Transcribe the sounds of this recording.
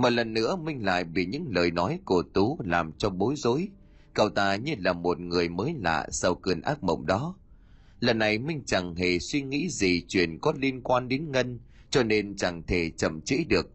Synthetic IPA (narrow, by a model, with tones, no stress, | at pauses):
mo˨˩t̚lə˨˩nːɨ̰˧˥əmï˧ŋ̟la̰ː˧˨jɓḭ˧˩ɲɨ̰˧˥ŋləː˨˩jnɔ˨˦jku˧˩ət̪u˨˦laː˨˩mt͡ɕɔ˧ɓo˨˦jzo̰˧˨˥j | kə˨˩wt̪aː˧˨˩ɲɨ˧laː˨˩mo˨˩t̚ŋɨ˨˩əjməː˨˦jla̰ː˧˨sa˧wkɨ˨˩ənʔaː˦˥k̚mə̰˧˨wŋ͡mɗɔ˨˦ | lə˨˩nːa˨˩jmï˧ŋ̟t͡ɕa˨˩ŋɦe˨˩swi˧ŋḭ˧˥zi˨˩t͡ɕwḭ˧˩ənkɔ˨˦li˧ənkwaː˧nɗe˨˦nŋə˧n | t͡ɕɔ˧ne˧nt͡ɕa˨˩ŋt̪ʰe˧˩t͡ɕə˨˩mt͡ɕḭ˧˥ɗɨ˨˩ək̚